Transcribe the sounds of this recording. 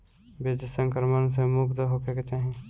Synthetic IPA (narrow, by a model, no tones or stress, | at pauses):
bed͡ʒəsə̃ŋkɾməns̬ẽmukt̪əɦokʰeket͡ʃaːɦi